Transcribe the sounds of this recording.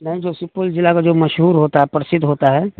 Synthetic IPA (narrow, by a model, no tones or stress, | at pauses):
nɐɦĩd͡ʒoːsɪpːold͡ʒɪlakad͡ʒoːməʃɦuːɾɦoːt̪aɦɛpɾəsɪd̪ʱɦoːt̪aɦɛː